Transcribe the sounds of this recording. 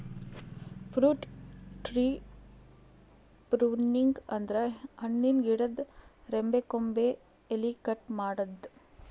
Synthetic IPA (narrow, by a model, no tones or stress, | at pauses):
pʰɾuːʈʈɾiː | pɾuniŋɡɐnd̪ɐɾɐhɐɳːinɡiɽɐd̪ɾembekombeː | likɐʈmaːɽɐd̪